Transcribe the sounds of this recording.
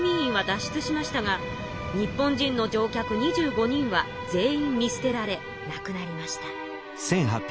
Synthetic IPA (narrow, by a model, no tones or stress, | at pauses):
mʲĩɰĩɰ̃βad̪aɕːi̥t͡sɨɕimaɕi̥t̪aɡa | ɲ̟ipːõ̞ɲ̟d͡ʑĩnːo̞d͡ʑo̞ːkʲakɯ̟ɲ̟iʑɨːɡo̞ɲ̟ĩɰ̃βa | d͡ze̞ːĩmːʲisɨ̥t̪e̞ɾaɾe̞ | nakɯ̟naɾʲimaɕi̥t̪ḁ | sẽ̞ŋɦapʲ